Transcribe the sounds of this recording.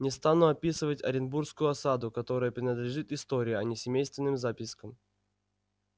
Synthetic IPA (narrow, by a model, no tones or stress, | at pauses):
nʲɪst̪anuɐpʲisɨvətʲɐ̰ɾʲɪnburskʊjʊɐsad̪ʊkɐt̪o̞ɾəjəpɾʲɪnəd̪lʲɪʐɨt̪ɪst̪o̞ɾʲɪjʊɐnʲɪsʲɪmʲejst̪vʲɪnːɨmzapʲɪskəm